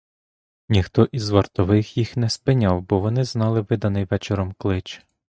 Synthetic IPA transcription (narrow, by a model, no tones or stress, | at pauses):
nʲixt̪ɔʔizʋɐrt̪ɔʋɪxjixnɛspɪnʲɑwbɔʋɔnɪznɑlˠɪʋɪd̪ɐnɪjʋɛt͡ʃeɾɔmklˠɪt͡ʃ